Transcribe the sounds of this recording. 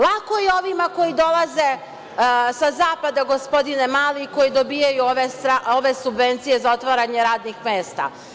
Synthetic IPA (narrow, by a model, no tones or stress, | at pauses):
lˠako̞jeo̞ʋimako̞jid̪o̞lˠaze | sazaːpad̪aɡo̞spo̞d̪inemaːliko̞jid̪o̞bijajuoʋest̪ɾaoʋe̞subʋe̞nt̪sije̞zao̞t̪ʋaɾaɲe̞ɾaːd̪nixmeːst̪a̰